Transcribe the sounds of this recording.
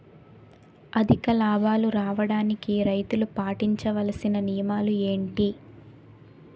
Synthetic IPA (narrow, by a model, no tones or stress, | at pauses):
ɐd̪ʱikɐlaːbʱaːluɾaːʋɐɽaːnikiɾɐjt̪ulupaːʈiɲt͡ʃɐʋɐlɐsinɐnijɐmaːlue̞ːɳʈi